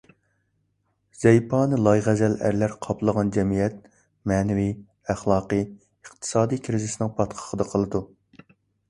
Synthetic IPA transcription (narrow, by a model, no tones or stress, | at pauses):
z̥ɛjpʰɑːnɨlˠɑjʁæzɛlæ̰ɾlæɾqʰɑplˠəʁɑnd͡ʒɛmijɛt̪̚ | mɛːnɪvi | æχlˠɑːqə | əqt̪ʰɨ̥sɑːd̪ijkʲʰɾɪzɪsnɪŋpʰɑt̪qʰə̥ʁəd̪ɑqʰəlˠɨd̪u